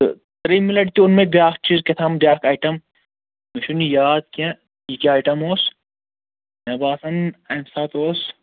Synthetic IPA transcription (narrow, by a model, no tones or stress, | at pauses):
t̪ɐɾimilɐʈt̪iʊnmẽbʲjaːkt͡ʃizket̪ʰamɖʲjaːkaːjʈɐm | mɐʃunijaːd̪̚kẽ | ikiaːjʈɐmoːs | mɐbaːsɐnɐmsaːt̪oːs